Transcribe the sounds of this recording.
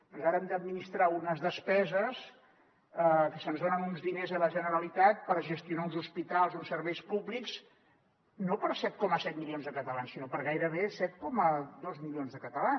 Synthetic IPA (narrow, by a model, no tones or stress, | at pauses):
pɔnzaɾəɛmd̪əd̪̚minist̪ɾaunəzðəspɛzəs | əkəsənzðonənunzðinezələʒənəɾəlit̪at̪̚pəɾʒəst̪iunaunzuspit̪alˠzunsəɾβɛjspublikz̥ | nopəɾsɛt̪̚kɔməsɛt̪̚milijonzðəkət̪əlansinopəɾɣajɾəβ̞esɛt̪̚kɔməðozmilionzðəkət̪əlan